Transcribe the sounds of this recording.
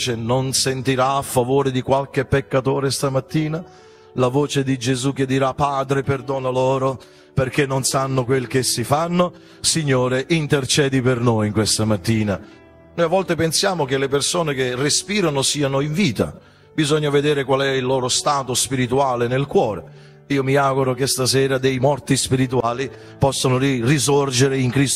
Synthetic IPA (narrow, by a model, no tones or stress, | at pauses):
t͡ʃenonsent̪iɾaːfːavoːɾed̪ikwalk̟epːekːat̪oːɾest̪amat̪ːiːna | lavoːt͡ʃed̪id͡ʒezuk̟ed̪ːiɾapːaːd̪ɾeperd̪oːnalɔːɾo | perk̟enːonsanːʊkwelk̟esːifanːo | siɲːoːɾeʔint̪ert͡ʃɛːd̪ipernojŋkwest̪amat̪ːiːna | nojavːɔlt̪epensjaːmok̟elepersoːnek̟erespiːɾanosiːanʊiɱviːt̪a̰ | bizɔɲːaved̪ɛːɾekwalɛilːoːɾost̪aːt̪ospiɾit̪uaːlenelkwɔːɾe | iːomiaːɡuɾok̟est̪asɛːɾad̪ejmɔrt̪ispiɾit̪uaːli | pɔsːonoɾirisord͡ʒeɾeiŋkɾist̪